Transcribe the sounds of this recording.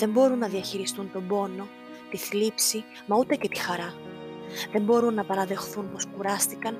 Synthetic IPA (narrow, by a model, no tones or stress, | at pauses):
ðe̞mbo̞ɾunːɐðiɐçiɾist̪unt̪o̞bo̞no̞ | t̪iθlipsi | mɐut̪e̞ce̞t̪i̥xɐɾɐ | ðe̞mbo̞ɾunːɐpɐɾɐðe̞xθunpo̞skuɾɐst̪ikɐn